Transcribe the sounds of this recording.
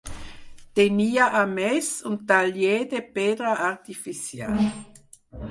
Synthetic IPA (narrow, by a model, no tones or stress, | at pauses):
t̪eniːɐʔamɛsʊnaljeːdepeːdʁaaʁt̪ifisja̰ːl